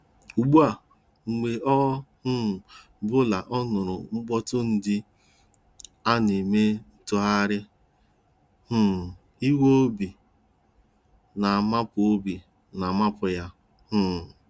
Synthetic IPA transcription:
u˨ɡ͡bu˦a˨ | ŋ͡m̩˨ɡ͡be˨ʔɔ˦h̩˦˨ | bʊ˦la˨ʔɔ˦nʊ˨ɾʊ̰˨ŋ͡m̩˦ɡ͡bɔ˦tʊ˦n̩˦dɪ˦ | a˦ni˨me˦n̩˦tʊ˦a˦ɾɪ˦ | h̩˦˨ | i˦wo˦o˦bi˨ | na˨a˨ma˦pʊ˨o˦bi˨ | na˨ma˦pʊ˨ja˦ | h̩˦˨

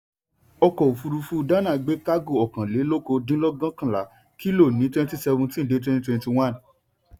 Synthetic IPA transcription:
ɔ˧kɔ˨o˨fu˧ɾu˧fu˧da˦nã˦˨ɡ͡be˨˦ka˦ɡo˦˨ɔ˨kã˨le˨˦lo˦ko˧dĩ˦lɔ˦ɡã˦kã˦˨la˨˦ | ki˦lo˦˨nĩ˨˦twɛ̃˦n˦ti˦sɛ˧vũ˧tĩ˦n̩˨de˨˦t̬wɛ̃˦ni˦twɛ̃˧nti˧w̃ã˦˨n

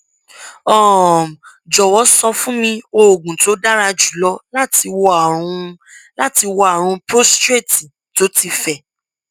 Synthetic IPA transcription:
ɔ˦˨ | d͡ʒɔ˨wɔ˨˦sɔ̃˧fũ˦mĩ˧o˧o˨ɡũ˨to˨˦da˦ɾa˧d͡ʒu˨˦lɔ˧la˦ti˧wɔ˧˦a˨ɾũ˧la˦ti˧wɔ˧˦a˨ɾ̃ũ˧pɾo˦stɾe˦˨ti˨ | to˨˦ti˧fɛ˦˨

